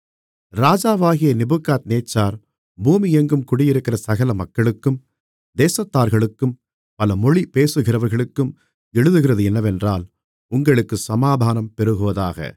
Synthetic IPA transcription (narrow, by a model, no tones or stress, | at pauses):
ɾaːd͡ʒaːʋaːɣɪjɐnɪbɯkːaːt̪neːt͡ʃːaːɾ | buːmijɛŋɡɯmkʊɽɪjɪɾɯkːɪrɐsɐɣɐlɐmɐkːɐɭɯkːɯm | d̪eːsɐt̪ːaːɾɣɐɭɯkːɯm | pɐlɐmɔɻipeːsɯɣɪrɐʋɐɾɣɐɭɯkːɯm | ɛɻɯðɯɣɪrɐðɯɛnːɐʋɛndraːl | ʊŋɡɐɭɯkːɯsɐmaːd̪ʱaːnɐmpɛɾɯɣɯʋɐðaːɣɐ̰